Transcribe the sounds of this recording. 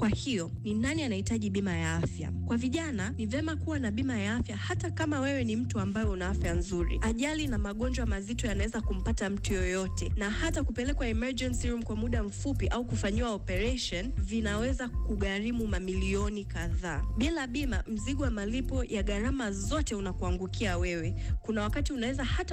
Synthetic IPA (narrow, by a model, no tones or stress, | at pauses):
kwahijɔ | ninanianahitaʄiɓimajaafja̰kwaviʄananivɛmakuwanaɓimajaafjahatakamawɛwɛnim̩tuambajɔunaafjanzuɾḭaʄalinamaɠɔɲd͡ʒwamazitɔjanawɛzakum̩patam̩tujɔjɔtɛnahatakupɛlɛkwaɛmɛɹd͡ʒɛnsiɾumkwamuɗam̩fupiʔaukufaɲiwaɔpɛɾɛʃɔnvinawɛzakuɠaɾimumamiliɔnikaðaːɓilaɓimam̩ziɠuwamalipɔjʔaɠaɾamazɔtɛunakuaŋɡukʰiawɛwɛkunawakatiunawɛzahata